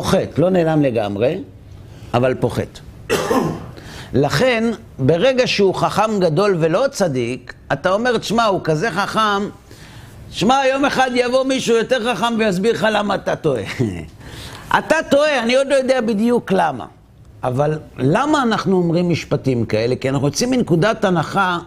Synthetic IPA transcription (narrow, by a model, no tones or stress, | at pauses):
poχe̞t̪lo̞ne̞ːlamle̞ɡa̰mʁe̞ | avalpo̞χe̞̰t̪ | laχen | be̞ʁe̞ɡaʃeuχaχamɡado̞lve̞lo̞t͡sadikat̪ao̞me̞ʁt̪ʃmaukaze̞χaχam | ʃmajo̞me̞χad̪javo̞miʃuːjo̞t̪eʁχaχamvejazbiʁχalamaːt̪ato̞e̞̰ | ʔa̰tat̪o̞e̞aniod̪lo̞jo̞d̪eabid̪ijuklama̰ | avalːamaːnaχnuomʁimːiʃpatimkae̞le̞kianaχnujot͡siminkudatanaχa